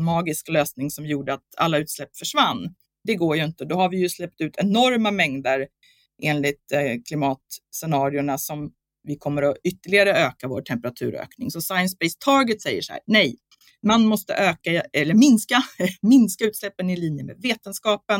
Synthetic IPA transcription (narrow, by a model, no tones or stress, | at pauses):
mɑːɡɪskløːsnɪŋsɔmjuːɖəat̪a̰lːaʉ̟ːt̪slɛpːfœʂvanː | d̪ɛɡoːjɵɪnt̪əd̪ɔhaɾvɪjɵslɛp̚t̪ʉ̟ːt̪ʰɛnɔɾmamɛŋd̪əɾ | ʔeːnlɪt̪kʰlɪmɑːt̪sɛnɑːɾɪʊɳasɔm | vɪkʰɔmːəɾɔʏt̪ːəɭɪɡaɾəøːkavo̰ːʈʰɛmpəɾat̪ʰʉ̟ːɾø̰ːknɪŋsɔsajənspɛɪst̪ʰɑːɡət̪sɛjːə̰ʂhæ̰ːɾnɛj | manmɔst̪ə̰ʔøːkaɛlːəɾmɪnskamɪnskaʉ̟ːt̪slɛpːənɪliːnjəmḛːd̪veːt̪ənskɑːpən